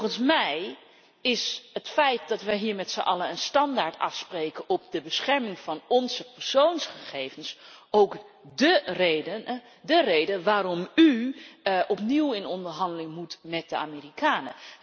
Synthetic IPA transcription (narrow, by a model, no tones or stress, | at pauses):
χənsmɛj | ɪsɦətfɛjt̚dɑtʋəɦiːɹmɛtsə̰ʔɑ̰ləənstɑndaːɹtɑ̰fsprejkəɔp̚dəbəsχɛɹmɪŋv̥ɑnɔnzəpəɹsownsχəχejvənsʔowkdərejdə | dərejdənʋaːɾɔmy | ʔɔpniwɪnɔndəɹɦɑndəlɪŋmutmɛt̚dəa̰ːmiːrikaːnə̰